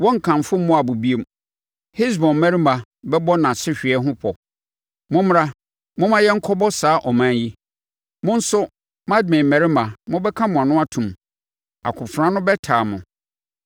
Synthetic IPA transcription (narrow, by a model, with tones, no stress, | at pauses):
wɔ̃˦ŋ̩˨kʰã˨m˨fʊ˦m̩˦mʊ̃˦a˨bʊ˨bi˦e˨m | he˦s̬bɔ̃˨m˦mæ̃˦ɾi˦mã˨ | bɛ˦bɔ˦nã˨sɪ˦ɕᶣɪ˨ɛ˦ɦʊ̃˦pʰɔ˨ | mʊ̃˦m˦ɾa˦ | mʊ̃˦mã˦jɛ˦ŋ̩˦kʰɔ˦bɔ˦saː˨˦ʔɔ˨mã˨˦nji˦ | mʊ̃˦n̩˦sʊ˦ | mã˦d̚mɪ̃˨m̩˨mɛ˨ɾɪ˦mã˨mʊ̃˦bɛ˦kʰã˦mʊ̃˨a˨nʊ̃˦a˦tʰũ˨m | a̰˨kʰʊ̃˨fɾã˦nʊ̃˦bɛ˦tʰaː˨mʊ̃˨